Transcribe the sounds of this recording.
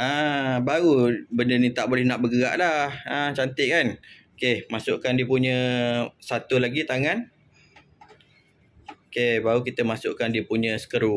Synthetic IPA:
əbaɣubəndənit̪aʔbolɛhnaʔbəɡəɣa̰ʔlahət͡ʃant̪ɪʔkanokemasʊʔkandipuɲə̃sat̪ulaɡit̪aŋan | okebaɣukit̪əmasʊʔkandipuɲə̃sə̥kəɾu

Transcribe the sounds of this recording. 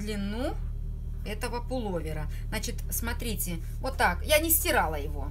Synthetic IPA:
d̪lʲɪnːu | ɛt̪əvəpʊlˠovʲɪɾə | znat͡ɕɪt̪smɐt̪ɾʲitʲɪ | vo̞t̪ːakjanʲɪsʲtʲɪɾalˠəjɪvo̞̰

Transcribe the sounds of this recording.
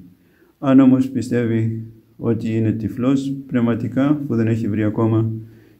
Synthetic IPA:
ɐno̞mo̞spist̪e̞vi | o̞t̪iine̞t̪iflo̞spnevmɐt̪ikɐpuðe̞ne̞çivɾiɐko̞mɐ

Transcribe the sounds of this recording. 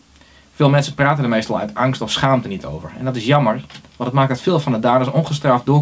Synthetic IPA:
fɪːlˠmɛnsəpraːtəndəɹmejstɑlˠœ̰ɥtɑŋstɔfsχaːmtənitʰo̰wvəɹɛ̰ndɔtɪsjɑməɹʋɑndətmaːk̚ətfɪːlˠfɑndədaːdəsɔnχəstrafdʊː

